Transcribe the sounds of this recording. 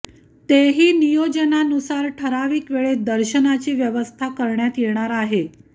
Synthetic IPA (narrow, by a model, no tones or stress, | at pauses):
t̪eɦiːnijod͡ʑənanusaɾʈʰəɾaʋiːkʋeɭed̪əɾɕənat͡ɕiːʋjəʋəst̪ʰakəɾɳjat̪jeɳ̃aɾaɦe